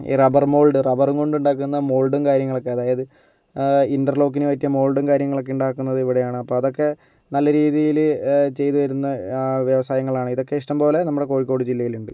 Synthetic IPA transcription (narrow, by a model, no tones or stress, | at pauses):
ḭːrɐbɐrmo̞ːɭɖɨrɐbɐruŋko̞ɳɖuɳɖaːkːunːɐmo̞ːɭɖumkaːɾjɐŋːɐɭo̞kːeɐðaːjɐðɨ | indɐrlo̞ːk̬ːinɨʋɐtːijɐmo̞ːɭɖumkaːɾjɐŋːɐɭo̞k̬ːeuɳɖaːkːunːɐðɨiʋiɽejaːɳɨɐpːo̞ːɐðo̞kːe̞ | nɐlːɐɾiːðijilt͡ɕe̞jt̪uʋɐɾunːɐʋjeʋɐsaːjɐŋːɐɭaːɳɨiðo̞kːe̞iʂʈɐmbo̞ːle̞nɐmːuɽe̞ko̞ːɻikːo̞ːɽud͡ʑilːɐjiluɳɖɨ